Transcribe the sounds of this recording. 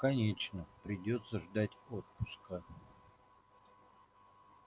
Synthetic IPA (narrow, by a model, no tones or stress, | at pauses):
kɐnʲet͡ɕnəpɾʲɪdʲo̞t̪səʐd̪atʲo̞t̪̚pʊskə